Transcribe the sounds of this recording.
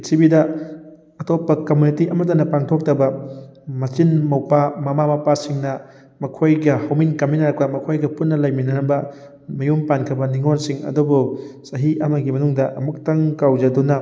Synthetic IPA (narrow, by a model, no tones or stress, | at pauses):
sʰibidɐ | ɐtopːɐkɐmunitiʔɐmɐt̬ɐnɐpaŋtʰok̚tɐbɐmɐt͡ʃinmɐwpamɐmamɐpasiŋnɐ | mɐkʰojɡɐhɐwminkɐminaɾɐkɐmɐkʰojɡɐpunːɐlɐjminɐnɐbɐ | mɐjumpankʰɐbɐniŋonsiŋɐ̰dubusɐɦiɐmɐɡimɐnuŋdɐʔɐ̰muk̚tɐŋkawd͡ʒɐdunɐ